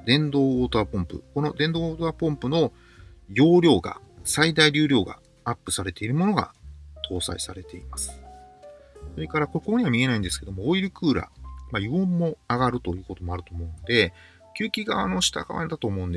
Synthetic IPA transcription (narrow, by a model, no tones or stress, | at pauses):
d̪ẽ̞nd̪o̞ːt̪oaːpõ̞mpɯ̟̰ko̞no̞d̪ẽ̞nd̪o̞ːoːt̪oaːpõ̞mpɯ̟no̞ | jo̞ːɾʲo̞ːɡa̰ | said̪aiɾʲɨ̟ːɾʲjo̞ːɡa̰ | apːɯ̟saɾe̞t̪e̞iɾɯ̟mo̞no̞ɡa̰t̪ʰo̞ːsa̰isaɾe̞t̪e̞imasɨ̥ | so̞ɾe̞kaɾakokooɲ̟iβamʲie̞naĩnd̪e̞sɨ̥ke̞d̪omoːiɾɯ̟kɯ̟ːɾa̰majiõmːo̞aɡaɾɯ̟t̪o̞jɯ̟ːko̞t̪o̞mo̞aɾɯ̟t̪o̞ːmo̞ɯ̟nod̪e̞ | kʲɨːkʲiɡaβa̰no̞ɕi̥t̪a̰ɡa̰βa̰d̪at̪o̞ːmo̞ɯ̟̃nd̪e